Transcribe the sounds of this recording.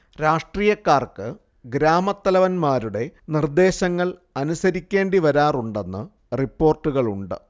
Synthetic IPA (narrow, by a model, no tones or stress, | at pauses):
ɾaːʂʈriːjɐkːaːrkɨ | ɡɾaːmɐt̪ːɐlɐʋɐnmaːɾuɽe̞nird̪e̞ːɕɐŋːɐɭɐnusɐɾikʲːe̞ːɳɖiʋɐɾaːruɳɖe̞nːɨ | ripːo̞ːrʈːuɣɐɭuɳɖɨ̰